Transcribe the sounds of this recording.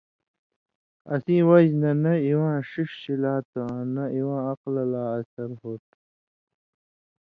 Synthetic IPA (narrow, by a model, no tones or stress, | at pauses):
ɐ̰siːwɐd͡ʑnɐnɐiwãːʂiʂɕilaːt̪ɐ̃nɐiwãːɐqlɐlaːɐsɐɾɦoːt̪̚